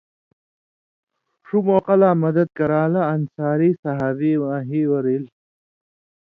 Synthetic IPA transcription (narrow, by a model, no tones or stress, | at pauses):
ʂumoːqɐlaːmɐd̪ɐd̪̚kɐɾaːlɐːnsaːɾiːsɐɦaːviːwãːɦiːwɐɾil